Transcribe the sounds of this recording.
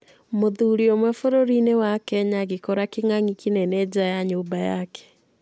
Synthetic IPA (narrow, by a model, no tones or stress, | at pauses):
moðuːɾiomwɛfoɾoɾinewakɛɲaɣekɔɾakeŋaŋikinɛnɛd͡ʒajaɲobaja̰kɛ̥